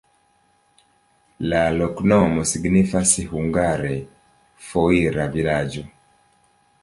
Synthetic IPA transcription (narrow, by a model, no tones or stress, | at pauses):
lalɔknɔmɔsiɡnifasihuŋɡaɾɛ | fɔiɾavilad͡ʒɔ